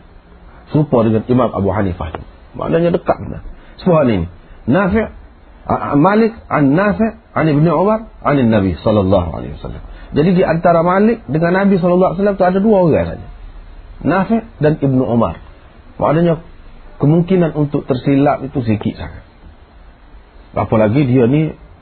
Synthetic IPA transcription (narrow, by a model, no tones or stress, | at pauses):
supɔdəŋanimamʔa̰buħanifa̰ht̪ṵ | mʔa̰ʔdaɲadəka̰ʔbəna̰nsəpuɦaninḭnafɪʕ | amalɪk̚ʕa̰nːafɪ | anibəniʕumarʔa̰ninaβisɔlːalːɑɦṵa̰lḛhiwasa̰lːa̰md͡ʒadidiʔant̪aɾamalɪk̚dəŋanːabis̬ɔlɔlːas̬alːamt̪uadaduaɡasa̰d͡ʒa̰ | nafɪʔdanibnuʔuma̰r | mʔa̰ʔdaɲakəmuŋkinanunt̪ʊk̚t̪ərsilaʔit̪us̬ikḭʔsa̰ka | a̰palaɡidiani